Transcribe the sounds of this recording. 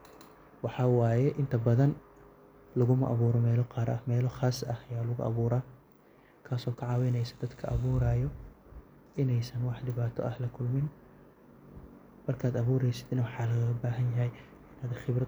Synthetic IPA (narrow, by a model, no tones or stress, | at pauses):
wɑħɑːwaːjɛʔɪnt̪ʰɐbɐðɐn | lʊɣʊmɐʔɐβuːɾɔmɛːlɔqɑːɾɐhmɛːlɔχaːsɐhɐjaːlʊɣʊʔɐ̰βuːɾaː | kʰaːsɔːkʰɑʕɑːwɛjnɛjsɐ̥d̪ɐd̪kʰɐʔɐβuːɾaːjɔ | ʔɪnɛjsɐnwɑħdɪβaːt̪ʰɔ̰ʔɐhlɐkʰʊlmɪn | mɐrkʰaːd̪ɐβuːɾɛjsɪ̥d̪ɪnɐwɑħɑːlɐɣɣɐbaːɦɐnjɐɦɛj | ɪnaːd̪χɪbrɐ